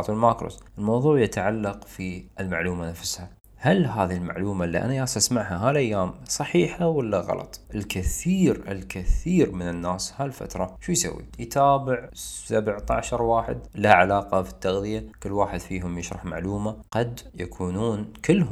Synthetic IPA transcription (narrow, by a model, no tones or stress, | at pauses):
t̪ˤlmaːkɾo̰ːsʔɪlmɑwðˤuːʕjat̪aʕalːɑqfiʔɪlmaʕluːmanafsha | halɦaːðilma̰ʕluːmalːḭʔa̰najaːsˤʔasmaʕɦaɦaːlʔajːaːmsˤɑħiːħawɪlːaɣɑ̰lɑ̰t̪ˤʔɪlkɪθiːɾɪ̰lkɪθiːɾmɪnɪnːaːshalfa̰t̪ɾˤɑʃuːjsa̰wːḭjt̪ʰaːbɪʕsabʕt̪aʕʃɑɾˤwaːħɪ̰d̪laʕalaːqɑfi̥t̪ːaɣðɪjakɪlːwaːħɪd̪fiːɦʊmjɪʃɾˤɑħma̰ʕluːmaqɑd̪jakʰuːnuːnkɪlːhʊ